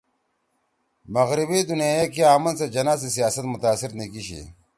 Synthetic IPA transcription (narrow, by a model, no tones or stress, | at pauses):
mɐɣɾibid̪unijaːjekiaːmɐnsɐd͡ʑɐnaːsisijaːsɐt̪mʊt̪aːsɪɾnikiɕḭ